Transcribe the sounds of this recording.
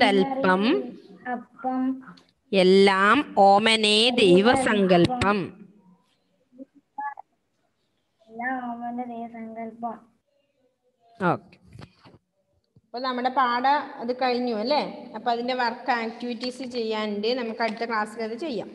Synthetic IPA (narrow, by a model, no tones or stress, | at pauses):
dɐlpɐmɐpːɐm | elːaːmoːmɐneːd̪ejʋɐsɐŋɡɐlpɐm | elːaːmoːmɐned̪ejʋɐsɐŋɡɐlpɐ | oːke | ɐpːoːɭnɐmːuɽe̞paːɽɐɐðɨkɐɻiɲːuɐlːeːɐpːoːɐðinde̞ʋɐrkːɐaːk̚tiʋitːiːsɨt͡ɕe̞jːaːnɖɨnɐmːɐkːɨɐɽit̪ːɐkɭaːsɨkɐðɨt͡ɕe̞jːa̰ːm